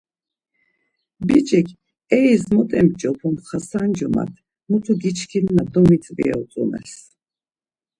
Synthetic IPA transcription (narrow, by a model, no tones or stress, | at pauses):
bit͡ʃʼɛkʰ | ɛizmɔt̪ʼɛmt͡ʃʼɔpʰɔmχasand͡ʒɔma̰t̪ʰ | mut̪ʰuɡit͡ʃʰkʰinnad̪ɔmit͡s̪ʼvḭɛ̰ut͡sʼṵmɛ̰s